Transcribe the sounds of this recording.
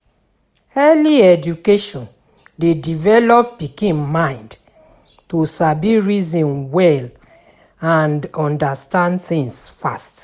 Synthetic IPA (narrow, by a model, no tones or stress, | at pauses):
ɛliɛd͡ʒukeʃɔ̃n | dedivɛlɔp̚pikĩnmãɪ̃nd | tosabiɹizɔ̃nwɛl | ãndɔ̃ndastãndθĩŋsfast